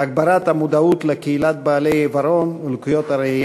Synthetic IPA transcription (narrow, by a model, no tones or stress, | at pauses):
aɡ̚baɾat̪amud̪aut̪lekeilat̪̚baːlejevaɾonulkujot̪aɾei